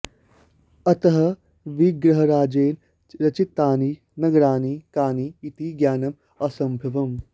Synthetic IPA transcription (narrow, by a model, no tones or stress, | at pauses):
ɐt̪ɐɦɐ | ʋiɡɾɐɦɐɾaːd͡ʒeːn | ɾɐt͡ʃit̪ːaːni | nɐɡɐɾaːnikaːniːt̪iɡjaːnɐm | ɐsɐ̃mbʱɐʋɐm